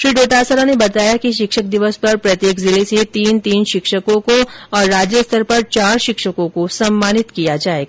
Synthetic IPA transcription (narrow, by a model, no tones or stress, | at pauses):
ʃɾiːɖoːʈaːsəɾanebɐt̪aːjakiʃɪkʃək̚d̪ɪʋəspɐɾpɾɐt̪jeːkzɪleset̪iːnt̪iːnʃɪkʃəkõkoɔːɾːaːd͡ʒjəst̪ʰəɾpɐɾt͡ʃaːɾʃɪkʃəkõkosɐmːaːnɪt̪kijad͡ʒaːeɡa